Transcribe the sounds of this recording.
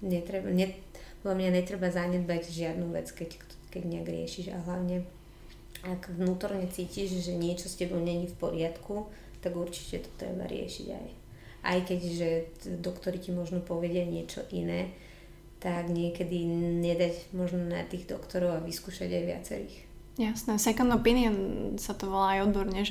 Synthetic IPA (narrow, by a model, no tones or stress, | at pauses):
ɲɛt̪ɾɛbaɲɛ | pɔd̪lamɲaɲɛt̪ɾɛbazaɲɛd̪̚baɟʒɪad̪nuʋɛ̰t͡skɛckt | kɛɟɲɪaɡɾɪɛ̰ʃiʒa̰ɦlaʊɲɛ | aɡʋnuːt̪ɔɾɲɛt͡siːciʒʒɛɲɪɛt͡ʃɔscɛbɔʊɲɛɲifpɔɾɪat̪ku | t̪aɡuɾt͡ʃi̥cɛt̪ɔ̥t̪ɾɛ̰ba̰ɾɪɛ̰ʃḭɟa̰j | ʔa̰jkɛɟʒɛd̪ɔkt̪ɔɾicimɔʒnɔpɔʋɛɟɪaɲɪɛt͡ʃɔ̰ʔinɛː | t̪aɡɲɪɛkɛd̪iɲɛd̪aɟmɔʒnɔna̰t̪iːɣd̪ɔkt̪ɔɾɔʊaʋiskuːʃa̰ɟajʋɪa̰t͡sɛ̰ɾḭːx | jasnɛsɛkɔnd̪ɔpiniɔnsat̪ɔʋɔlaːjɔd̪bɔɾɲɛʒ